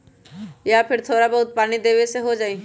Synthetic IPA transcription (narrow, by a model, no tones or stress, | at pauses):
japʰɪɾt̪ʰoːɾabəɦʊt̪̚paːɽ̃id̪eːʋeseɦod͡ʒaːĩː